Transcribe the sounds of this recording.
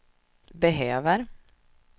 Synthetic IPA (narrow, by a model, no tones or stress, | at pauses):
bɛɦøːvəɾ